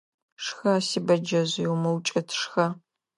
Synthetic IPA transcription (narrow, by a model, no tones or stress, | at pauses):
ʂxɐsibɐd͡ʒɐʑjɛwmɐwt͡ʃʼɐtʰʂxɐ